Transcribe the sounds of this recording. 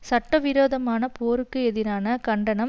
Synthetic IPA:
sɐʈːɐʋɪɾoːðɐmaːnɐpoːɾɯkːɯɛðɪɾaːnɐkɐɳɖɐnɐm

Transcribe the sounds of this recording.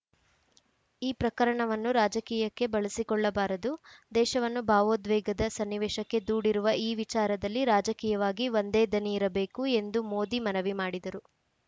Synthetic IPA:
iːpɾɐkɐɾɐɳɐʋɐnːuɾaːd͡ʒɐkiːjɐkːe̞bɐɭɐsikɔɭːɐbaːɾɐd̪ud̪ɛːʃɐʋɐnːubʱaːʋoːd̪ʋɛːɡɐd̪ɐsɐnːiʋɛːʃɐkːe̞d̪uːɽiɾuʋɐiːʋit͡ʃaːɾɐd̪ɐlːiɾaːd͡ʒɐkiːjɐʋaːɡiʋo̞nd̪e̞ːd̪ɐniːɾɐbe̞ːkue̞nd̪umo̞ːd̪imɐnɐʋimaːɽid̪ɐɾu

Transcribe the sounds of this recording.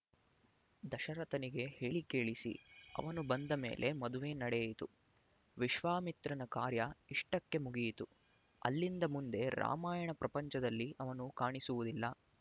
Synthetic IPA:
d̪ɐʃɐɾɐt̪ɐniɡe̞he̞ːɭikeːɭisḭɐ̰ʋɐnubɐnd̪ɐme̞̰ːlʔe̞mɐd̪uʋe̞ːnɐɽejit̪u | ʋiʃʋaːmit̪ɾɐnɐkaːɾjɐiʂʈɐkːe̞muɡijt̪u | ɐ̰lːind̪ɐmund̪e̞ɾa̰ːmaːjɐɳɐpɾɐpɐɲt͡ʃɐd̪ɐlːiɐʋɐnukaːɳisuʋud̪ilːɐ

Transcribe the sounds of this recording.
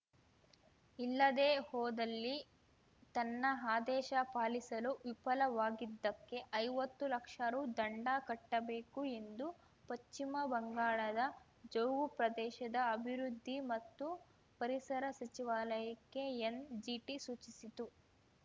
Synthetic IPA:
ilːɐd̪eːhɔːd̪ɐlːi | t̪ɐnːɐɦaːd̪ɛːʃɐpaːlisɐluʋipɐlɐʋaːɡid̪ːɐkːe̞ʔɐjʋɐt̪ːulɐkʂɐɾud̪ɐɳɖakɐʈːɐbeːkue̞nd̪u | pɐʃt͡ʃːimɐbɐŋɡaːɭɐd̪ɐ | d͡ʒɐwɡupɾɐd̪ɛːʃɐd̪ɐːbʱiɾud̪ʱːimɐt̪ːu | pɐɾisɐɾɐsɐt͡ʃiʋaːlɐjɐkːe̞end͡ʒiʈisuːt͡ʃisit̪u

